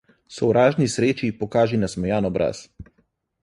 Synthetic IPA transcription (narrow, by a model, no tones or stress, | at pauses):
sɔwɾaːʒnisɾeːt͡ʃipɔkaːʒinasmɔjaːnɔbɾʔa̰s